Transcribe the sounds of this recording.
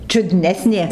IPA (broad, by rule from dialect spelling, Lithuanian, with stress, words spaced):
t͡ʃʲʊˈdʲnʲæːsʲnʲeː